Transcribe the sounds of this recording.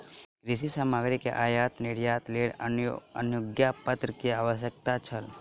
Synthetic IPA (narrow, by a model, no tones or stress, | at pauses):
kɾɪsisamaːɡɾikḛʔaːjaːt̪nɪɽijaːt̪leːɽəə̰njʊɡjapət̪ɾəkiaːʋəʃjək̚t̪at͡ʃʰəl